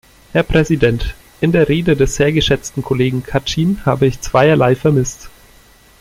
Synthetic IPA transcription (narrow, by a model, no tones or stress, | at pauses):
hɛɐpʁ̥ɛzidɛnt | ʔɪndeːɐʁeːdədɛsz̥eːɐɡəʃɛt͡stn̩kʰoleːɡŋ̩kʰatʰiːnhaːbəɪçt͡sv̥aɪɐlaɪfɛɐmɪst